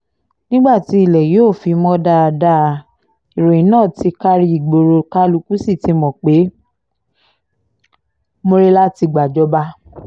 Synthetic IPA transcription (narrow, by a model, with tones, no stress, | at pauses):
nĩ˦ɡ͡ba˦˨ti˨˦i˦˨lɛ˨joː˦˨fi˧mɔ̃˦da˧da˧˦˧ | i˨ɾo˨ĩ˨nãː˦˨ti˧˦ka˦ɾi˧i˨ɡ͡bo˧ɾo˧ka˦lu˧˦ku˦si˦˨ti˨˧mɔ̃˨k͡pe˨˦ | mo˦ɾe˦la˦ti˧ɡ͡ba˨d͡ʒɔ˨˧ba˧˦